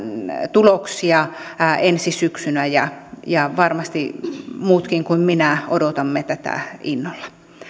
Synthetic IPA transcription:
t̪uloksiɑensisyksynæjɑjɑʋɑrmɑst̪imuːt̪kiŋkuimminæodot̪ɑmːet̪æt̪æ̰inːolːɑ̥

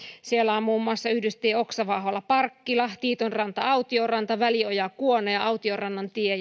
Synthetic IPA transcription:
sielːæommuːmːuɑsːɑyhdyst̪iːoksɑʋɑɦolːɑpɑrkːilɑht̪iːt̪onrɑnt̪ɑɑut̪iorɑnt̪ɑʋæliojɑkuonojɑɑut̪iorɑnːɑnt̪ie

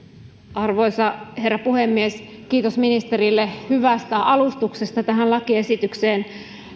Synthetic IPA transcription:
ɑrʋo̞jsɑhe̞rːɑpuhemːies | kiːt̪osminist̪eɾilːehyʋæst̪æʔɑlust̪uksest̪ɑt̪æɦænlɑkie̞sit̪ykseːn

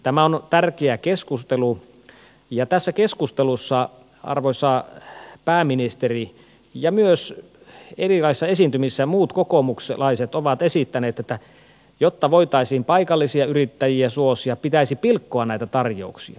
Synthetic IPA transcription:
t̪æmæont̪ærkeækeskust̪elu | jɑt̪æsːækeskust̪elusːɑ | ɑ̰rʋoisːɑpæːminist̪eri | jɑmyøs | erilɑissːɑesint̪ymisːæmuːt̪kokomukselɑiset̪oʋɑt̪esit̪ːæneːt̪et̪ːæ | jot̪ːɑʋoit̪ɑisiːmpɑikɑlːisiɑyrit̪ːæjiæsuosiɑpit̪æisipilkːoɑnæˑit̪æt̪ɑrjo̰uksḭɑ̰

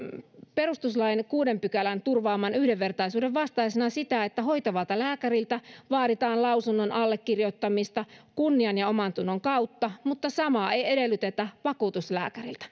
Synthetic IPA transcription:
perust̪uslɑjnkuːdempykælænt̪urʋɑːmːɑnyhdeʋːe̞rt̪ɑisuːdeʋʋɑst̪ɑisenɑsit̪æet̪ːæho̞jt̪ɑʋɑlt̪ɑlæːkærilt̪æʋɑːɾit̪ɑːnlɑusunːonʔɑlːekːirjot̪ːɑmist̪ɑkunːiɑnjɑomɑnt̪unːoŋkɑut̪ːɑmut̪ːɑsɑmɑejedelːyt̪et̪æʋɑkuːt̪uslæ̰ːkærilt̪æ̥

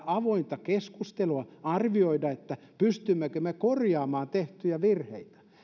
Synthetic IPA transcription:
ɑʋoint̪ɑkeskust̪eluɑɑrʋioidɑet̪ːæ | pyst̪ymːekømekorjɑːmɑːnt̪eht̪yjæʋirhḛit̪æ̥

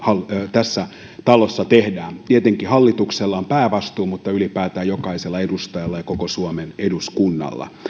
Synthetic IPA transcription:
hɑlːt̪æsːæ | t̪ɑlosːɑt̪ehdæːnt̪iet̪eŋkihɑlːit̪ukselːɑompæːʋɑst̪uːmut̪ːɑylipæːt̪æːjokɑiselːɑedust̪ɑjɑlːɑjɑkokosuomeneduskunːɑ̰lːɑ̰

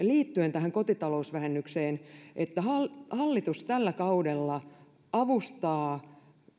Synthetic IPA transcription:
liːt̪ːyent̪æɦæŋkot̪it̪ɑlousʋæhenːykseːnʔet̪ːæhɑlhɑlːit̪ust̪ælːækɑudelːɑ | ɑʋust̪ɑː

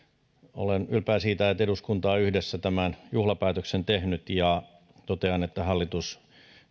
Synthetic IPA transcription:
o̰lenylpæːsiːt̪æt̪eɾuskunt̪ɑːyhdesːæt̪æmænjuhlɑpæːt̪øksent̪ehnyt̪jɑ | t̪ot̪eɑnet̪ːæhɑlːit̪us

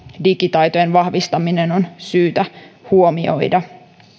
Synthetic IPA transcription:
dikit̪ɑjt̪o̞je̞nʋɑhʋist̪ɑmine̞no̞nsyːt̪æhuo̞mio̞̰jdɑ

